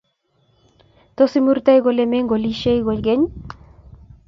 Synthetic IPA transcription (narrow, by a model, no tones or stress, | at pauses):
t̪osimuɾt̪ajɣolemeŋɡoliʃejɣolɡeɲ